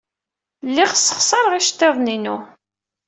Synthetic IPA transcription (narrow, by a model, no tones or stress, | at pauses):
lːiʁsːə̥χsˤɑɾˤʁiʃt̪ːeðˤninu